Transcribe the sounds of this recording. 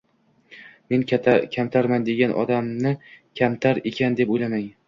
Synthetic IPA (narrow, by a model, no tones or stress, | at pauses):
me̞nʰakʲʰamt̪ʰaɾmand̪e̞ɡʲanʔɒ̰d̪amnɪkʲʰamt̪ʰaɾekʲʰand̪e̞pojlamaŋ